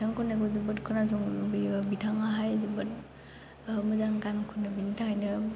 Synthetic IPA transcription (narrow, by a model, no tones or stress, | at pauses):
tʰaŋkʰɔnaɡɔzɯbɯtkʰɯnazɔŋbibitʰaŋaɦajzibɯt̚ | mɯzaŋkankʰunɯbinitʰahajnɯ